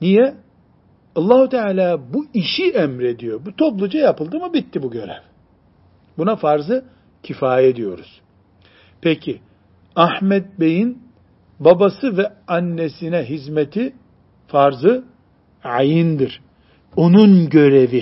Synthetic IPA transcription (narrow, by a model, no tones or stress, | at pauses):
nijɛ | ɑlˠːaːhut̪ʰɛaːlʲaːbuiʃiʔɛmɾe̞d̪ijo̞but̪ʰo̞plˠud͡ʒajapɯlˠd̪ɯmɯbit̪ʰːibuɟø̞ɾæv | bunafaɾzɯ | cʰifaːjed̪ijo̞̰ɾuz̥ | pʰɛcʰi | ahmɛt̪̚bejin | babasɯvɛanːesinɛɦizmet̪ʰi | faɾzɯ | ʕajɯnd̪iɾ̥ | o̞nunɟø̞ɾevi